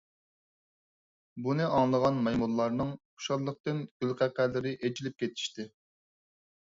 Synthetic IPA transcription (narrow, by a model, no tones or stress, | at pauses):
bunɨʔɑŋlˠəʁɑnmɑjmulːˠɑɾnɨŋʰ | ʊ̥ʃɑɾlˠəq̚t̪ɨnɡ̥ʲylqæqælːɪɾɪʔed͡ʒilɪp̚kʲet̪ʰi̥ʃt̪ɪ